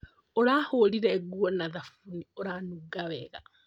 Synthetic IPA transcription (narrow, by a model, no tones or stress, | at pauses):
oɾaːholiɾɛɡuɔnaðafunioɾanuɡaβɛɣa̰